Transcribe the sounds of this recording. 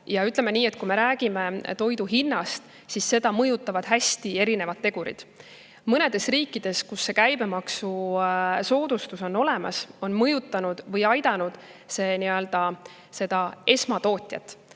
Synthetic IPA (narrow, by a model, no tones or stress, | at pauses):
jɑyt̪ˑle̞me̞niːe̞t̪̚ːˑkume̞ɾæːɡ̥ime̞t̪o̞jd̪uɦinːɑst̪ | sisːe̞d̪̥ɑmɤjut̪ːˑɑvɑd̪̥ɦæsʲt̪ie̞ɾine̞vɑd̪̚ːeɡ̥uɾḭd̪̥ | mɤne̞d̪̥e̞sriːkːˑid̪̥e̞skusːe̞kæjbe̞mɑksu | so̞ːd̪ust̪uso̞nːo̞le̞mɑ̰so̞nmɤjut̪ˑːɑnud̪̥vɤjɑjd̪ɑnud̪̥se̞ːniø̞ld̪̥ɑ | se̞d̪̥ɑe̞smɑt̪o̞ːt̪ʲˑjɑ̰t̪ːˑ